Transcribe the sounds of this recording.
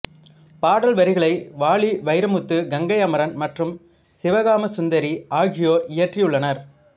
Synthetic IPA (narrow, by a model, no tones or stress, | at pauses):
paːɽɐlʋɐɾɪɣɐɭɐɪʋaːɭiʋɐɪɾɐmɯt̪ːɯɡɐŋɡɐjɐmɐɾɐnmɐʈrɯm | sɪʋɐɣaːmɐsʊnd̪ɐɾiaːɣɪjoːɾɪjɐʈrijɯɭːɐnɐɾ